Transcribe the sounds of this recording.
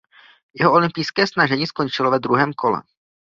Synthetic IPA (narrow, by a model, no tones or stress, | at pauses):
jɛɦoʔo̞lɪmpɪjskɛːsnaʒɛɲiːsko̞nt͡ʃɪlovɛd̪ɾuɦɛːmkʰo̞lɛ̰